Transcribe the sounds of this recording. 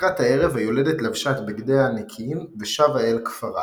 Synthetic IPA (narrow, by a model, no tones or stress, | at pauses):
ʁathae̞ʁe̞vajo̞ledetlavʃatbiɡd̪ejanikʰimveʃavaelkfaʁa̰